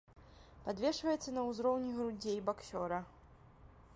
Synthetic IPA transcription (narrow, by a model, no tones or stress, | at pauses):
pad̪vʲɛʂvɐjɛt̪sːɐnɐwzɾɔwnʲiɣɾud͡zʲejbaksʲɔɾɐ